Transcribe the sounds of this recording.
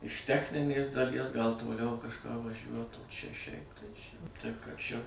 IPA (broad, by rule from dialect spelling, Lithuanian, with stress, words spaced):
ɪʃ ˈtʲæːxʲnʲɪnʲeːs dɐˈlʲiɛs ɡɐlˠ toːˈlʲɛʊ kɐʃˈkɑː ʋɐˈʒʲuɔt oː t͡ʃʲɛ ʃʲɛɪp tɐɪ t͡ʃʲɛ tɐɪ kɐ ˈt͡ʃʲɛ